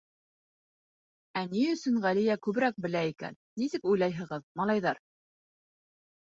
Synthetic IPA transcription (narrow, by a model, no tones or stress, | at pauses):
æniɵ̆sɵŋʁælijækʉβɘ̆ɾæk̚bɘ̆læikæ̰nːisɘkujlˠɑjɦɤ̆ʁɤðmɑlˠɑjðɑɾ